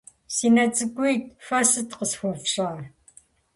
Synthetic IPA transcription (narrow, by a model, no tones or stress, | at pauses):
siːnɐt͡sʼɨkʷʼʊjtfɐsɨtqəsxʷɔpɕʼaː